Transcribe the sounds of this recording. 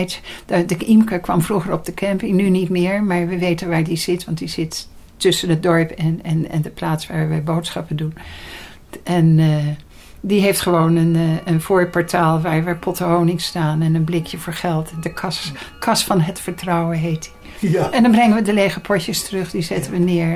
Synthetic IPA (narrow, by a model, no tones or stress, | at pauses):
tdəimkəɹkʋɑmvruχəɹɔb̚dəkʰɛmpɪŋnynitmɪːɹmaːɹʋəʋejtənʋaːɹdiz̥ɪtʋɑntdiz̥ɪt | tːɵsənɦət̚dɔɹpɛnɛnɛ̰ndəplaːtsʋaːɹʋɛjbowtsχɑpəndun | ʔɛn | diɦejftχəʋownənənv̥oːɹpɑɹtaːlˠʋaːɹʋəpʰɔtəɦownɪŋstaːnɛnənblɪkjəvʊːɹχɛlˠtndəkʰɑskʰɑsfɑnɦətfəɹtrɑwənɦejtdi | ɛndɑnbrɛŋənʋədəlejχəpʰɔtəstərɵχdizɛtəʋənɪːɹ